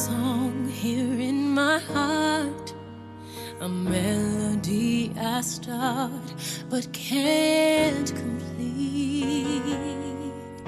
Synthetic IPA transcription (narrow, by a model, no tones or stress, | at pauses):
sɔŋhiɹɪ̃nmaɪhɑɹt | əmɛlodiaɪstʰɑɹt̚b̥ʌt̚kʰæ | nkʰə̃mpʰll̥i | t̚